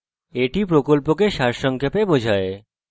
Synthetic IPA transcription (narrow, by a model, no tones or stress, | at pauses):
eʈipɾokolpokeʃaɾʃɔŋkʰjepebod͡ʑʱae